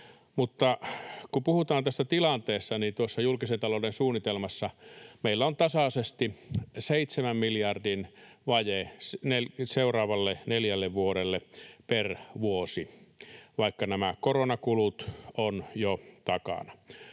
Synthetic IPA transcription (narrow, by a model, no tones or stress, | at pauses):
mut̪ːɑkupuhut̪ɑːnt̪æsːæt̪ilɑnt̪eːst̪ɑnint̪uosːɑjulkisent̪ɑloˑudensuːnːit̪elmɑsːɑmeilːæont̪ɑsɑsest̪iseit̪semæmmiljɑrdinʋɑjesnelseurɑːʋɑlːeneljælːeʋʋuoɾelːeperʋuosi | ʋɑikːɑnæmækoronɑkulut̪onjot̪ɑkɑ̰nɑ̥